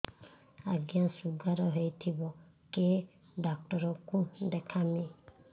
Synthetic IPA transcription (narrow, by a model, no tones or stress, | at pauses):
aɡjasuɡaɾɔɦejt̪ʰibɔ | ke | ɖak̚ʈɔɾɔkũd̪ɛkʰami